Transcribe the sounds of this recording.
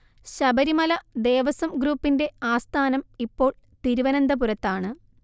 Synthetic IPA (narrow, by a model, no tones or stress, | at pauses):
ɕɐbɐɾimɐlɐd̪e̞ːʋɐsɐmɡɾuːpːinde̞aːst̪ʰaːnɐmipːo̞ːɭ | t̪iɾuʋɐnɐnd̪ɐpuɾɐt̪ːaːɳɨ